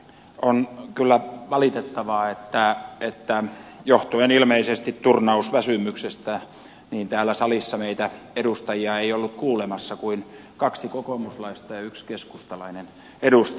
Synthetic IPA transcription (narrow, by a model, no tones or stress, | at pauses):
onkylːæʋɑlit̪et̪ːɑʋɑːet̪ːæet̪ːæjoht̪uenilmeisest̪it̪t̪urnɑusʋæsymyksest̪æ | niːnt̪æːlːˑæsɑlisːɑmeit̪æ | edust̪ɑjiɑeiolːukkuːlemɑsːɑkuin | kɑksikokomuslɑist̪ɑjɑykskeskust̪ɑlɑinen | edust̪